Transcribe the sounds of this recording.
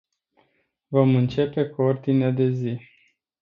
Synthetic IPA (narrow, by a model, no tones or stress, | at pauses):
vo̞mɨnt͡ʃe̞pe̞kuo̞rd̪inead̪e̞zi